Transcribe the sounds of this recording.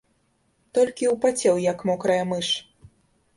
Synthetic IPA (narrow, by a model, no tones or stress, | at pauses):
t̪ɔlʲkʲiwpat͡sʲɛwjɐkmɔkɾɐjɐmɨʂ